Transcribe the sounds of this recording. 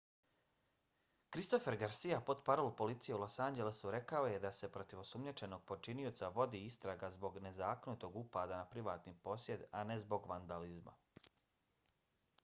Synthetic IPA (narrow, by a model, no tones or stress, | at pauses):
kɾist̪o̞fe̞ɾɡaɾsijapo̞d̪paɾolupo̞lit̪sijeulo̞sand͡ʒe̞lesuɾe̞kao̞jed̪ase̞pɾo̞t̪iʋosumɲet͡ʃe̞no̞ɡ̚po̞t͡ʃinio̞t̪saʋo̞d̪iːist̪ɾaɡazbo̞ɡne̞zaːkonut̪o̞ɡupad̪anapɾiʋaːt̪nipo̞sje̞d̪a̰ne̞zbo̞ɡʋand̪alizma̰